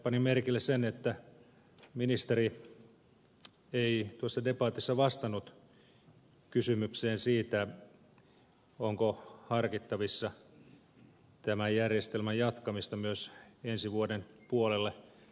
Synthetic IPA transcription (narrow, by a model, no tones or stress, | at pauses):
pɑnimerkilːessenet̪ːæ | minist̪eri | eit̪uosːɑdepɑːt̪isːɑʋɑst̪ɑnːut̪ | kysymykseːnsiːt̪æ | oŋkohɑrkit̪ːɑʋisːɑ | t̪æmæjjærjest̪elmæjjɑt̪kɑmist̪ɑmyøsensiʋuodenpuolelːe